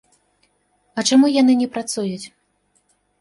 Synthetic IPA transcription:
ɐt͡ʂamujanɨnʲɛpɾat̪sujut͡sʲ

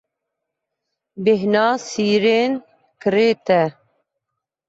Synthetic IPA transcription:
beɦnɑːsiːɾeːn | kɨɾeːt̪ɛ

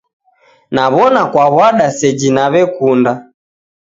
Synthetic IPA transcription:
naβɔnakwaβwaɗasɛd͡ʒinaβɛkunda

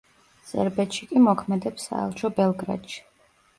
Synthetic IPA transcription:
z̥ɛ̰ɾbɛt̪ʃikʼimɔkʰmɛd̪ɛpsa̰ɛ̰lˠt͡ʃʰɔbɛlˠɡɾa̰t̪ʃi̥

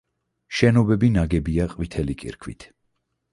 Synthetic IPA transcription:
ʃɛnɔbɛbinaɡɛbiaqʼvit̪ʰɛlikʼḭɾkʰwḭt̪ʰ

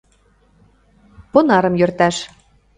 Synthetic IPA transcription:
ponɑɾɤ̆mjørt̪æʃ

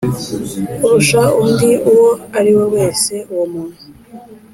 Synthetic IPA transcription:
uɾuʃaumdiuwoaɾiwowe̞ːse̞uwumunu

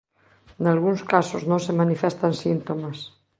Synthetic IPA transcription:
nalɣũŋskasoznõŋsemanifɛst̪ansint̪omas

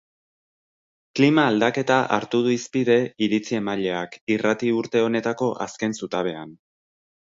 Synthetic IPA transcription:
klimaːld̪ake̞t̪aʔa̰ɾt̪uð̞uispiðe̞iɾit͡sie̞maʎe̞akirat̪iuɾt̪e̞o̞ne̞t̪ako̞ʔa̰ske̞nsut̪aβe̞an

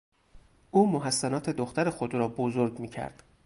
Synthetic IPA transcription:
ʔuːmoɦæsːænɒːt̪ʰe̞d̪oxt̪æɾe̞xo̞d̪ɾɒːbozoɾɡmiːcʰæ̰ɾd̪̥

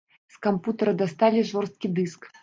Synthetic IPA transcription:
skɐmput̪ɐɾɐd̪ast̪alʲiʐɔrst̪̚kʲid̪ɨsk

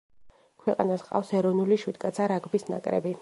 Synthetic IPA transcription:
kʰwɛqʼa̰nasqʼa̰fsɛɾɔnuliʃwid̪ɡʼat̪sʰaɾaɡbisna̰kʼɾɛ̰bi

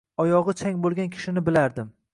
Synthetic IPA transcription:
ɒjɒʁɨt͡ʃʰaŋʲbolˠɡʲankʲʰɪ̥ʃɪnɪbɪlaɾd̪ɪm

